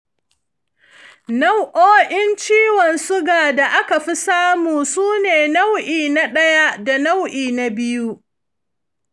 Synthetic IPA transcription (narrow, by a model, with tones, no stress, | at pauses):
na˦wʔoː˦ʔɪ˦nt͡ʃiː˦wɔ˨nsʊ˦ɡaː˨da˨ʔa˦ka˨ɸi˦saː˦muː˨suː˦neː˨na˦wʔiː˨na˦ɗɐ˦ja˦da˨na˦wʔiː˨na˨bɪ˦ju˦ʔ